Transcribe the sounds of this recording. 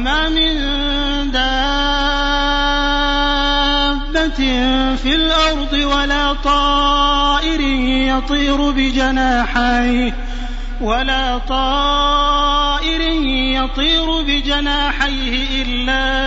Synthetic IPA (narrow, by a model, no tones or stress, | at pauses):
maːmɪn | d̪aː | bːat̪filʔɑɾˤd̪ˤɨwalaːt̪ˤɑːʔɪɾɪnjɑt̪ˤiːɾʊbɪd͡ʒanaːħajh | walaːt̪ˤɑː | ʔɪɾɪnjɑt̪ˤiːɾʊbɪd͡ʒanaːħajhɪʔɪlːaː